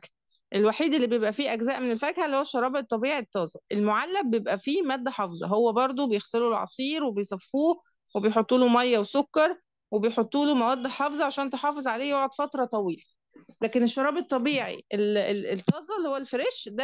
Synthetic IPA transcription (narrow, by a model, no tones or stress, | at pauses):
ʔelwaħiːd̪elːiːbejebʔæfiːʔæɡzæːʔmenelfækhælːihowæʃːɑɾˤɑːbet̪ˤːɑbiːʕit̪ːɑːzˤɑʔelmoʕalːæbejebʔæfiːmæːd̪ːæħɑfzˤɑ̰ɦowːæbɑɾˤd̪ˤobejexselulʕɑ̰sˤiːɾwebejsˤɑfːuː | webejħot̪ˤːuːlomɑjːæwesokːɑɾˤ | webejħot̪ˤːuːlomæwæːd̪ːħɑfzˤɑʕaʃæːnt̪eħɑːfezˤʕaleːjoʕod̪fɑt̪ɾˤɑt̪ˤɑwiːlæ | læːkeneʃːɑɾˤɑːbet̪ˤːɑbiːʕḭʔelet̪ːɑːzˤɑlːiːhowːælfeɾiʃd̪æ